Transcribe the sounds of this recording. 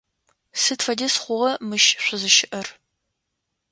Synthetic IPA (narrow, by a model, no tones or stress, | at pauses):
sɨtfɐdɐsχʷʊʁɐmɨʃɕʷʊzɨʃɪʔɐr